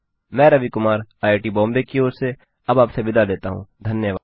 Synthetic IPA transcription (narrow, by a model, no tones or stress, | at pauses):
mɛ̃ːɾɐʋikʊmaːɾaːeʈibɔ̃ːmbekioːɾse | ɐbaːpseʋɪd̪ʱaleːt̪aɦũd̪ʱɐnjəʋa